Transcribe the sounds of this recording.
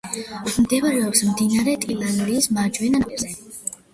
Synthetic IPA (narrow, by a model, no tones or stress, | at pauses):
md̪ɛvaɾɛɔpsmd̪inaɾɛt̪ʼilˠand̪iːsmad͡ʒwɛnaɛzɛ